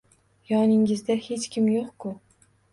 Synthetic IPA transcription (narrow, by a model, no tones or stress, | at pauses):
jɒnɪŋɪzd̪ahe̞t͡ʃkʲɪmjoqkʰʊ